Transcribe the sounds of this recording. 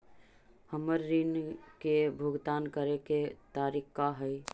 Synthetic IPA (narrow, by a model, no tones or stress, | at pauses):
həməɾːinkebʱʊɡd̪aːnkəɾeket̪aːɾikkaɦəj